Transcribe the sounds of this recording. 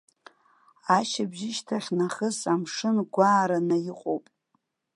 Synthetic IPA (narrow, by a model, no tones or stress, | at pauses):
aʃabʒɪʃtʰaχʲnaχəsamʂɨnɡʷaːɾanajɪqʼowpʼ